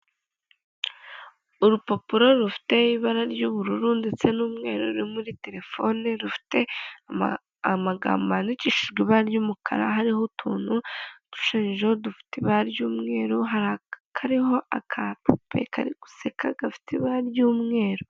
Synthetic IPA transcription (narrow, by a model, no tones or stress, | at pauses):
uɾupo̞puɾo̞ɾufi̥te̞iβaɾaɾjuβuɾuɾuːndit͡se̞nuːmŋe̞̰ːɾoɾimuɾite̞ɾe̞fo̞neɾufi̥te̞a | amaɡa̰ːmbaniciʃiʒɡwiβaɾɟuːmukʰa̰ɾa̰ɦaɾihotʰuːn̥hud̥u̥ʃiːnʒodufi̥tiβaɾjuːmŋe̞ːɾuɦaɾakʰaɾiɦo̞ʔakʰapʰupʰe̞̰kʰa̰ɾiɡu̥sekʰaɡafi̥tʰiβaɾaɾjuːmŋe̞ːɾo